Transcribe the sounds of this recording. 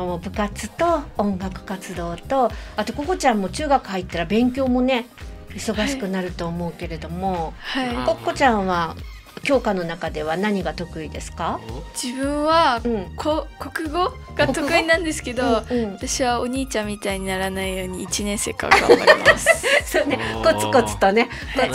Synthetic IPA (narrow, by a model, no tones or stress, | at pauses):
obɯ̟kat͡sɨ̥t̪o̞õŋɡakɯ̟̥kat͡sɨd̪o̞ːt̪o̞at̪o̞ko̞ko̞t͡ɕãmːo̞t͡ɕɨːɡakɯ̟hait̪ːaɾabẽ̞ŋk̬ʲo̞ːmo̞ne̞ | iso̞ɡaɕi̥kɯ̟naɾɯ̟t̪o̞ːmo̞ɯ̟ke̞ɾe̞d̪o̞mo̞haiko̞kːo̞t͡ɕãɰ̃βa | kʲo̞ːkano̞nakad̪e̞β̞anaɲ̟iɡat̪o̞kɯ̟id̪e̞sɨ̥kad͡ʑibɯ̟̃ɰ̃βaɯ̟̃ɴkʰokokɯ̟ɡo̞ | ɡ̥at̪okɯinãnd̪e̞sɨ̥ke̞d̪oɯ̃ɴat̪aɕiβaoɲ̟iːt͡ɕãmʲːit̪aiɲ̟inaɾanaijo̞ːɲ̟iːt͡ɕinẽ̞ɰ̃se̞̰ːka̰a̰a̰a̰eassoːneko̞t͡sɨ̥ko̞t͡sɨ̥t̪o̞ne̞ | ko